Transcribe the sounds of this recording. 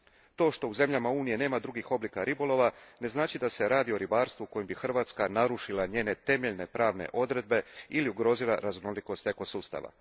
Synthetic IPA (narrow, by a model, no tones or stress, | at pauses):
t̪o̞ːʃt̪o̞uze̞mʎamauːnije̞ne̞ːmad̪ɾuɡixo̞blikaɾibo̞lˠo̞ʋane̞znaːt͡ʃid̪ase̞ɾaːd̪io̞ɾibaːɾst̪vuko̞jembixr̩ʋaːt̪skanaɾuʃilˠaɲe̞ːne̞t̪e̞me̞ʎne̞pɾaːʋne̞̰ʔo̞d̪ɾe̞d̪̚be̞iliuɡɾo̞ːzilˠaɾaznoliko̞st̪eko̞suːst̪a̰ʋa̰